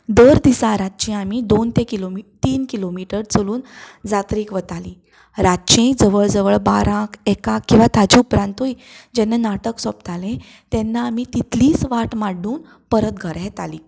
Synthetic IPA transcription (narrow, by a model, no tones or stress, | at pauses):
d̪əɾd̪isaɾatːt͡ɕẽamid̪ont̪ekilomit̪iːnkilomiʈəɾt͡səluːnd͡zat̪ɾiːkʋət̪aliː | ɾaɕẽd͡zəʋəɭd͡zəʋəɭbaɾãkʰɛkãkːĩw̃ʋat̪ad͡ʑiupɾãnt̪ɦoid͡ʑɛnːanaʈəksɔp̚t̪alẽ | t̪ɛnːaːmit̪it̪liːsʋaʈmaɽuːn | pəɾət̪̚ɡʱəɾɦɛt̪a̰liː